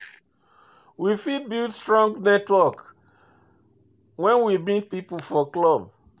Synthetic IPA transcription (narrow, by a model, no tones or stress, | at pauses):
wifid̚bildstɹɔ̃ŋɡnɛtwɔk | wɛ̃nwimĩpipufɔklɔb̚